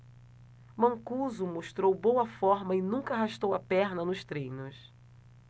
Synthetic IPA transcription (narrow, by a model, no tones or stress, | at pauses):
mɐ̃ŋkuzumoʃt̪ɾowbowɐfɔɾmɐɪnũŋkɐaɦaʃt̪owɐpɛɾnɐnʊʃt̪ɾẽjnʊs